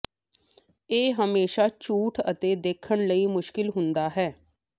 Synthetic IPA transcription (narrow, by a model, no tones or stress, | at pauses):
eːɦəmeːʃaːt͡ʃuːʈʰə̰t̪eːd̪eːkʰəɳləiːmʊʃkɪlɦʊnd̪aːɦɛː